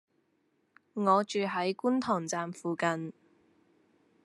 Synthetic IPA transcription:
ŋɔː˨˧t͡ʃyː˨ɦɐ˨˥jkuː˥nt̪ʰɔː˨˩ŋt͡saː˨mfuː˨kɐ˨n

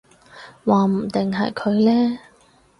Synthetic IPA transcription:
waː˨m̩˨˩t̪ɪ˨ŋɦɐ˨jkʰɵ˨˧ɥlɛː˥

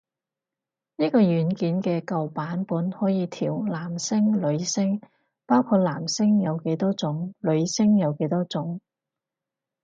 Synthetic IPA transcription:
niː˥kɔː˧jyː˨˥nkiː˨˥nkɛː˧kɐ˨wpaː˨˥npuː˨˥nhɔː˨˥jiː˨˧t̪ʰiː˨˩wlaː˨˩msɪ˥ŋlɵ˨˧ɥsɪ˥ŋ | paː˥wkʰuː˧t̚laː˨˩msɪ˥ŋjɐ˨˧wke˨˥jt̪ɔː˥t͡sʊ˨˥ŋlɵ˨˧ɥsɪ˥ŋjɐ˨˧wke˨˥jt̪ɔː˥t͡sʊ˨˥ŋ

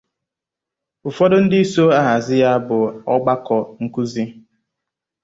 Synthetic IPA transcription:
ʊ˨fɔ˦dʊ˦n̩˦dɪ˦i˦so˦a˦ɦa˨zɪ˦ja˦bʊ˨ɔ˦ɡ͡ba˦kɔ˨ŋ̩˨ku˦zi˦

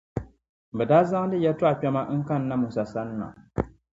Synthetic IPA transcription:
bɛ˨daː˦za˦ŋ˦dɨ˦jɛ˦tʊ˦a˨k͡pɛ˦ma˦ŋ̩˦ka˦˨n̩˦na˦mu˨sa˨sa˦n˦na̰˨

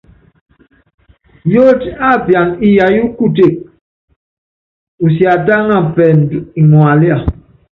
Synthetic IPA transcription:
jo˦ta˦˨pja˨ni˦ja˨ju˦ku˦˨te˦˨k̚ | u˨sja˨ta˦ŋa˦˨pɛ˨n˨di˨ŋwa˨li˦a˦˨

